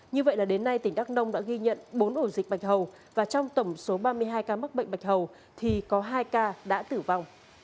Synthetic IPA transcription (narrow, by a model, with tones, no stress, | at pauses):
ɲɨ˧və̰˧˨jlaː˨˩ɗe˨˦nːa˧jt̪ï˧˩ŋ̟ɗa˦˥k̚nə˧wŋ͡mɗa̰ː˧˥ɣi˧ɲə̰˧˨nɓo˨˦nʔo˧˩zï˨˩k̚ɓa˨˩jk̚ɦə˨˩w | vaː˨˩t͡ɕɔ˧wŋ͡mt̪ə˧˩wŋ͡mso˨˦ɓaː˧mɨ˧əjɦaː˧jkaː˧m˦˥t̚ɓə̰˧˨ŋ̟ɓa˨˩jk̟̚ɦə˨˩w | t̪ʰi˨˩kɔ˨˦ɦaː˧jkaː˧ɗa̰ː˧˥t̪ɨ˧˩va˧wŋ͡m